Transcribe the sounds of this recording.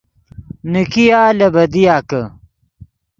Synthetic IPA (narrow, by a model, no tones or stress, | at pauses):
nikijaːlɐbɐd̪ijaːkɐ